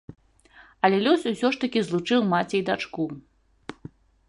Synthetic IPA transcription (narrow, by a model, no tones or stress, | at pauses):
ɐlʲɛlʲɔsʲusʲɔʂt̪ɐkʲizlˠut͡ʂɨwmat͡sʲɛjd̪at͡ʂku